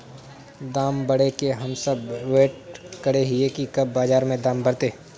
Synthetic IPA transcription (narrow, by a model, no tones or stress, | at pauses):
d̪aːmbɐɽekeɦɐmsɐbʋeːʈ̚kɐɽeɦɪekikɐbːaːzaːɾmẽd̪aːmbɐɽt̪eː